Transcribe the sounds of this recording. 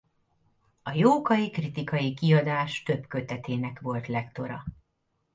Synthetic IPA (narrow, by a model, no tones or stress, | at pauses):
ɒjoːkɒjikrit̪ikɒjikiɒd̪aːʃt̪ø̞bkø̞t̪ɛt̪eːnɛkʋo̞lt̪lɛkt̪o̞ɾɒ̰